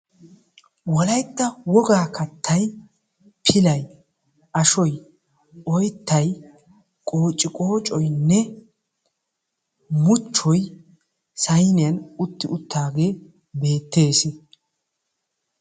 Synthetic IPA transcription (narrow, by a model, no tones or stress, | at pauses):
wɔlɐjt̪ːɐwɔɡaːkɐt̪ʰːɐj | pʰɪlɐj | ʔɐʃɔj | ʔɔjt̪ːɐj | kʼoːt͡ʃʼːɪkʼo̞ːt͡ʃʼɔjnːɛ | mʊt͡ʃːɔj | sɐjnɪjɐnʊt̪ːɪʊt̪ːaːɡe̞ː | be̞ːt̪ːe̞ːs